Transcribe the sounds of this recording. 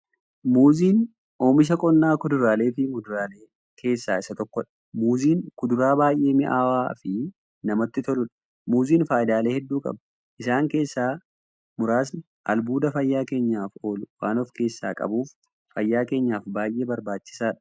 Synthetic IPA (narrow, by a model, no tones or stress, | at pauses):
muːziːn | o̞ːmɪʃ̬ɐkʼɔnːaːkʊd̪ʊɾaːle̞ːfɪmʊd̪ʊɾaːleː | kʰe̞ːsːaːɪsɐt̪ɔkːɔᶑɐ̥ | muːziːnkʊd̪ʊɾaːbaːjʔe̞ːmɪʔaːwaːfɪ | nɐmɐt̪ːɪt̪ɔlʊᶑɐ̥ | muːziːnfaːjɪd̪aːle̞ːhɛd̪ːuːkʼɐ̰b | ʔɪsaːŋke̞ːsːaː | mʊɾaːs̬nɪ | ʔɐ̰lbuːd̪ɐfɐjːaːke̞ːɲːaːfo̞ːlʊwaːnɔfke̞ːsːa̰ːkʼɐ̰buːfː | ɐjːaːke̞ːɲːaːfbaːjʔe̞ːbɐɾbaːt͡ʃːɪ̥saːᶑ